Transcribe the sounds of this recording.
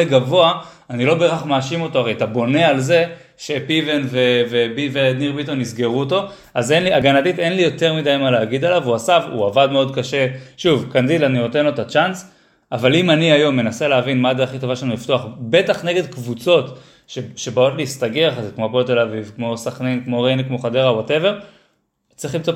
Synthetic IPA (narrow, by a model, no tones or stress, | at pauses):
eɡavo̞a | anilobeaχmaːʃimo̞to̞aʁejat̪abo̞ne̞alze̞ | ʃe̞pivenvevebivedniʁbit̪o̞nizɡe̞ʁuoto̞ | aze̞nliaɡanadit̪e̞nlijo̞t̪e̞ʁmid̪ajmaleːɡid̪alavuasavṵavadmeo̞d̪kaʃe̞ʃuvkandilaniot̪enlotat͡ʃans | avalimaniajo̞mːe̞nase̞leavinmad̪eaχito̞vaʃeanuliftoaχbe̞taχneɡe̞d̪kvut͡so̞t | ʃeʃe̞bao̞tliːst̪aɡeaχazekmopolt̪̬e̞lavivkmo̞saχnenkmo̞ʁenekmo̞χadeʁawate̞ve̞ʁ | t͡sʁiχlimt͡so